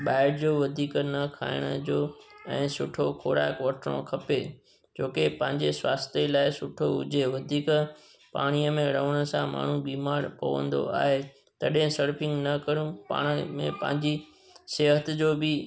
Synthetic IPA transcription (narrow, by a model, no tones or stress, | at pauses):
ɓaːɪʈd͡ʑoːʋɐd̪ʱiːknɐkʰa̰ːɪɽ̃əd͡ʑoːɛ̃ːsʊʈʰokʰoːɾa̰ːkʋɐʈʰɽ̃õ̰kʰɐpe | d͡ʑoːkepɐ̃ɦɪ̃ɲd͡ʑesʋaːst̪elaːɪsʊʈʰoʊ̰d͡ʑʱeʋɐd̪ʱiːk | pa̰ːɽ̃ijəmẽɾəʋəɽ̃ə̆sãma̰ːɳ̤ũbiːmaːɾpɐ̰ʋə̰̃nd̪o̰a̰ːɦe | t̪ɐɗɦɪ̃sɐɾpʰɪ̃ŋɡnɐkɐɾũpa̰ːɽ̃əmḛ̃pɐ̰̃ɦɪ̃ɲd͡ʑi | seːɦət̪d͡ʑoːbɪ